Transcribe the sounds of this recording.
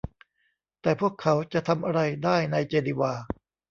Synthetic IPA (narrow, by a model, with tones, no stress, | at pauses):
t̪ɛː˨˩pʰu˥˩əkʰːa˩˦wt͡ɕa˨ʔt̪ʰa˧mʔa˧ɾa˧jdaː˥˩jna˧jt͡ɕeː˧li˧waː˧